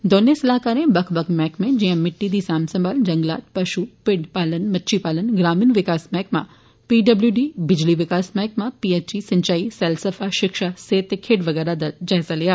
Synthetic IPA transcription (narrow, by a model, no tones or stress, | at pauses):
d̪oːnːesɐlaːkaːɾẽbɐkʰbɐkʰmɛ̃ːkmẽd͡ʒiə̃mɪʈːid̪isaːmsɐ̃mbaːld͡ʒɐŋɡla̰ːt̪̚pɐʃupɪɽpaːlənmɐtːʃʰipaːlənɡɾaːminʋɪkaːsmɛ̃ːkmã̰ | piɖɐbljuɖibɪd͡ʒliʋɪkaːsmɛ̃ːkmãpiet͡ʃisɐ̃ɲt͡ʃaːisɛlsɐfʰaʃɪkʃaseːt̪ːekʰeːʈʋɐɡɛːɾad̪ad͡ʒaːɦɪzalijaː